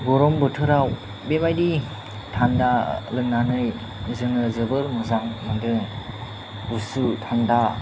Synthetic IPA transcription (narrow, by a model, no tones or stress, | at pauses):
ɡɔɾɔmbɯtʰɯɾaw | beβajdi | tʰandalɯŋnanɯj | zɯŋɯzɯbɯɾmɯzaŋmandɯ | usutʰanda